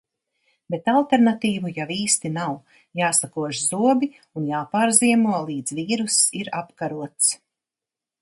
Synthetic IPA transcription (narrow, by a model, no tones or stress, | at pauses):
bet̪alˠt̪eɾnat̪iːvujawiːst̪inaw | jaːsakuɔʃzuɔbʲi | unjaːpaːɾziɛmuɔlˠiːd̪zviːɾusiɾapkaɾuɔt̪s